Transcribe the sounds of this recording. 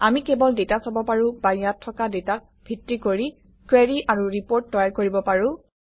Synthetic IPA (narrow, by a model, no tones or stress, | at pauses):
amikɛbɔldetasabɔpaɹʊ̃bajatʰːɔkadetak̚ | bʱitɹikoɹi | kweɹiʔaɹuɹipoɹtːɔjaɹkoɹibɔpaɹʊ̃